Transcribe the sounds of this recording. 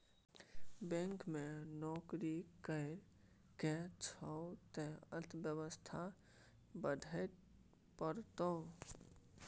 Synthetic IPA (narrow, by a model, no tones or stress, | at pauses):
bɛ̃ŋkmẽnɔːkɾikəɪɾ | kẽt͡ʃʰət̪ẽət̪ʰbjəwəst̪ʰa | bəd̪ʱət | pəɾt̪o